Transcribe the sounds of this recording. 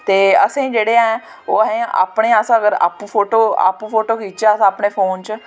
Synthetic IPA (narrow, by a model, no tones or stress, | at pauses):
t̪eːəsẽːd͡ʒeːɽeːãɛː | oːsẽːʔa̰ːpɽeːaəsãːəɡəɾa̰ːpːpʰoːʈoːa̰ːpːpʰoːʈoːkiːt͡ʃaːəsãːaːpɳeːpʰoːnt͡ʃ